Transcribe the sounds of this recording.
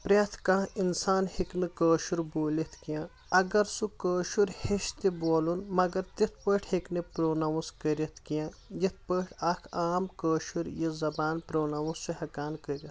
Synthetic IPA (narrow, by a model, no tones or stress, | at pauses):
pɾʲɐt̪ʰkãːinsaːnhiknɨkəːʃuɾboːlit̪ʰkijãː | ɐɡɐɾsukəːʃuɾheʃt̪iboːlunmɐɡɐɾt̪it̪̚ʰpəːʈʰhiknɨpɾoːnɐʋuskəɾit̪ʰkijã | jit̪̚ʰpəːʈʰɐkʰaːmkəːʃuɾjizɐbaːnpɾoːnɐwussuhɐkaːnkəɾit̪